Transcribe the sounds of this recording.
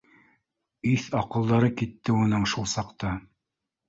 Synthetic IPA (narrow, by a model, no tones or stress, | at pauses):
iθɑqɤ̆lˠd̪ɑɾɤkit̪ːɘunɤɴʃulˠsɑqt̪ɑ